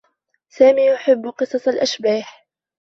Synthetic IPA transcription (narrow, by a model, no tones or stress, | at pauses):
saːmiːjʊħɪbːqɨsˤɑsˤalʔaʃbaːħ